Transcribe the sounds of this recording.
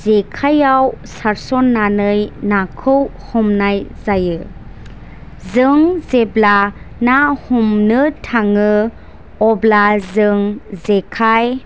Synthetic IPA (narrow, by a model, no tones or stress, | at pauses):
zekʰajawsaɾsɔnːanɯjnakʰɯw | hɔmnajzajɯ | zɯŋzebla | nahumnɯtʰaŋɯ | ɔblazɯŋzekʰaj